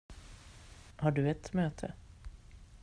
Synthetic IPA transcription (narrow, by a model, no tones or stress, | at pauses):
haɖɵɛt̪møːt̪ʰə̰